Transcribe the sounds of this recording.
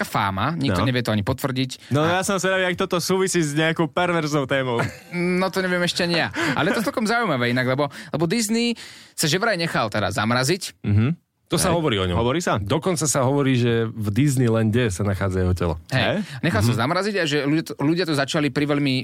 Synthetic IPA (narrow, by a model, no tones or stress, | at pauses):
afa̰ːmaɲikt̪ɔɲɛʋɪɛt̪ɔaɲipɔt̪ʋr̩ɟicnɔjasɔmsaɾadiak̚t̪ɔt̪ɔsuːʋisiːzɲɛakɔʊpɛɾʋɛɾznɔʊt̪ɛːmɔʊ | nɔt̪ɔɲɛʋɪɛmɛʃcɛaɲijaa̰lɛjɛt̪ɔt͡sɛlkɔmzaujmaʋɛːinaɡlɛbɔlɛbɔd̪iznisaʒɛʋɾajɲɛxalt̪ɛd̪a̰za̰mɾazicm̩ɦ̩ | t̪ɔsaɦɔʋɔɾiːɔɲɔ̰mɔʋɔɾiːsad̪ɔkɔnt͡sasaɦɔʋɔɾiːʒɛvd̪iznilɛnɟɛsanaxaːd͡zajɛɦɔcɛ̰lɔ̰ɦɛjɲɛxalsazamɾaziɟaʒɛlut̪ɔluɟɪat̪ɔzat͡ʃalipɾiʋɛʎmi